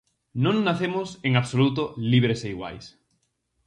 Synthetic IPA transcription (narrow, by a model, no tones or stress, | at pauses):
nõŋnaθemoseŋaβsolut̪oliβɾeseiɣwa̰js